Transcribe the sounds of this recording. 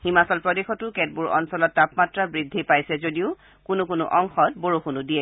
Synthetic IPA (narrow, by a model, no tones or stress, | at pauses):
himasɔlpɹɔdexɔtʊkɛt̚buɹɔ̰nsɔlɔtːapmatɹabɹidʱːipajsɛzodiʊ | kʊnʊkʊnʊ̰ʔɔŋxɔtboɹoxunudiɛ